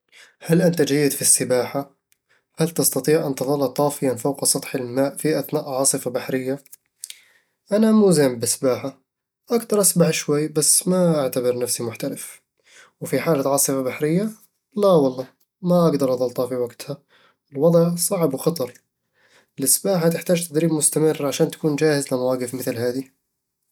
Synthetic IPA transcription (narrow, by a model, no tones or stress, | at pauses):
halʔɪnt̪ad͡ʒajːɪd̪fisːɪbaːħa | halt̪ɪst̪ɑt̪ˤiːʕʔant̪ɨðˤɑlːɑt̪ˤːɑːfɪjanfawqsˤɑt̪ˤħɪlmaːʔfiʔaθnaːʔʕɑːsˤɨfabaħɾɪjːa | ʔanamuːzɪmbɪsbaːħa | ʔakt̪ɑɾˤʔasbaħʃwajːbasːmaʔaʕt̪abɪɾnafsimʊħt̪alɪf | wfiħaːlaʕɑːsˤɨfabaħɾɪjːa | lawɑlˤːɑː | maʔaɡd̪ɑɾˤʔɑðˤɑlt̪ˤɑfiwaɡt̪ha | ɪlwɑd̪ˤʕsˤɑʕbwxɑt̪ˤɑɾˤ | ɪlʔɪsbaːħat̪ɪħt̪aːd͡ʒt̪ad̪ɾiːbmʊst̪amɪrːʕaʃaːnt̪ḁkuːnd͡ʒaːhɪzlɪmawaːɡɪfmɪθlhaːði